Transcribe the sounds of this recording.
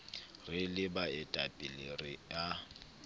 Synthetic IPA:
rɪlɪbaɪtʼapʼɪlerɪja

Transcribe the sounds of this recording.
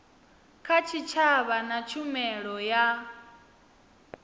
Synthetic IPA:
kʰat͡ʃʰit͡ʃʰaβanat͡ʃʰumɛɺɔja

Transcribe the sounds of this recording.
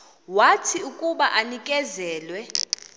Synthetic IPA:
watʰiukʼuɓaʔanikʼɛzɛːlwɛ

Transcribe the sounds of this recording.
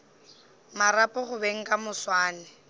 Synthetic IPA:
maɾapʼɔχʊbeŋ̩kʼamʊswaːnɪ

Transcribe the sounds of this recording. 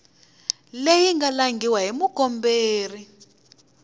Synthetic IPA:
lejiŋɡalaŋɡʱiwaɦimukɔmbeːri

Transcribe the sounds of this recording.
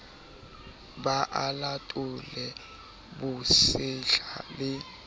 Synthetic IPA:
ɓaʔalatʼulɛ | ɓusɪɬalɪ

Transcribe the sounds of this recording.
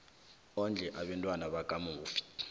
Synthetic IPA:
ɔnd͡ɮʱɛʔaɓɛntʼwanaɓakʼamuuːfi̥

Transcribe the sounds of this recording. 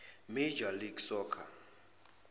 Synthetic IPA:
med͡ʒaliɡsɔːkʰa

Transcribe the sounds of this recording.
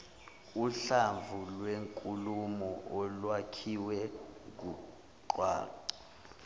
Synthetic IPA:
uɬaɱvʱulweŋkʼulumɔʔɔlwakʰiwɛk̬u | ǃwa̰ːǃa

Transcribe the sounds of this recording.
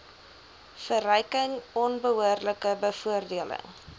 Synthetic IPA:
fərəjkəŋɔnbəɦuərləkəbəfuərdiələ̰ŋ

